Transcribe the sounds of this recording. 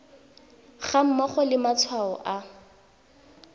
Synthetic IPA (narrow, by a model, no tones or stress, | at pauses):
χam̩mɔχɔlɪmat͡sʰwaɔ̰ʔa